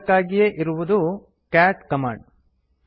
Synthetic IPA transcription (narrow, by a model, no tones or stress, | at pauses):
kːaːɡijeʔiɾuʋud̪u | kaːʈkɐma̰ːɳɖ